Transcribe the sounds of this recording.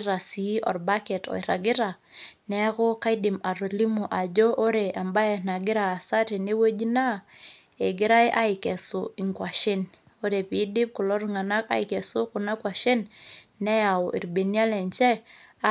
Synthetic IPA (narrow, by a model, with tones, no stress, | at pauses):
ɾa˨si˨˦ɔ̰˨ɾba˦kɛ˨tɔ̰˨i˨ɾa˨ɡɪ˦ɾa˨ | nɛ˦ko˦ka˦i˦dɪ˨ma˨ɾo˨li˦mo˨ʔa˨d͡ʒo˦ʔo˦ɾe˨ʔa˨mba˦jɛ˨na˨ɡɪ˦ɾaː˨sa˦te˨ne˦we˦d͡ʒi˦na˦ | e˨ɡɪ˦ɾa˦jʔa˦ɪ˨kɛ˨sʊ˨i˨ŋkwa˨ʃɪ˦n | o˦ɾe˨pi˨˦dɪ˦p̚ku˨lɔ˦ɾu˦ŋa˨na˦ka̰˦i˨kɛ˨sʊ˦kʊ˨na˦kwa˨ʃe˦nː | ɛ˦ja˨ḭ˨ɾbe˨ni˦a˦lɛ˨nt͡ʃɛ˦